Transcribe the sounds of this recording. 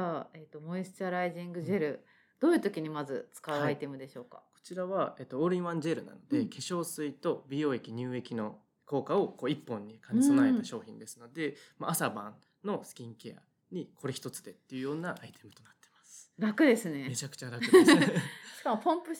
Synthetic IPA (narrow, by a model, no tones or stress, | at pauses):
aet̪o̞mo̞isɨ̥t͡ɕaɾaiʑĩŋɡɯ̟ʑe̞ɾɯ̟ | d̪̥o̞ːjɯ̟ːt̪o̞kʲiɲ̟imazɨt͡sɨ̥kaɯait̪e̞mɯ̟d̪e̞ɕo̞ːka̰ko̞̥t͡ɕiɾaβaeːt̪ːooːɾɯĩβãɲd͡ʑe̞ɾɯ̟na̰no̞d̪e̞kʰe̞ɕo̞ːsɨit̪o̞bʲijo̞ːekʲiɲ̟ɨːe̞kʲino̞ | ko̞ːkao̞ko̞ːipːõ̞ɲ̟ːikãɲisonaet̪aɕo̞ːçḭ̃nd̪e̞sɨno̞d̪e̞maasabã̰n | no̞sɨ̥kʲĩŋke̞a̰ | ɲ̟iko̞ɾe̞çi̥t̪o̞t͡sɨ̥d̪e̞t̪ːe̞jɯ̟jo̞ːnaʔait̪e̞mɯ̟̥t̪onat̪ːe̞masɨ̥ɾakɯ̟d̪e̞sɨne̞me̞t͡ɕakɯ̟̥t͡ɕaɾakɯdesɕi̥kamopõmpɯ̟